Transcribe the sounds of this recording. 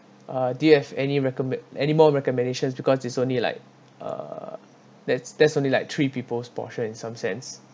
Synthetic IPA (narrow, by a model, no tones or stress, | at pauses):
ʔadujuhɛvɛniɹɛkɔmɛɛ̰nimɔɹɛkɔmɛ̃ndeʃə̃nsbikɔsitsõnlila̰ɪk̚ | ʌ̰ | dɛtsd̥ɛtsõnlilaɪk̚t̪ʰɹipipəlspɔ̰ʃə̃nĩnsãmsɛ̃ns